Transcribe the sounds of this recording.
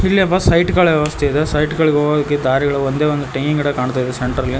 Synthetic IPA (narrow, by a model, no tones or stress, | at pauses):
ilːiɐʋɐsɐjʈɡɐɭʋjɛʋɐst̪ʰeid̪esɐjʈɡɐɭɡeɦoːɡoːd̪ɐkːed̪aːɾiɡɐɭuond̪e̞ːond̪uʈɐkiŋɡɐɽɐkaːɳt̪aːid̪eseɳʈɐɾɐlːi